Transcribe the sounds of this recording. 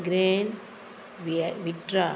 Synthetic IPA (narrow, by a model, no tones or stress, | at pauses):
ɡɾeːn | ʋʋɪʈɾa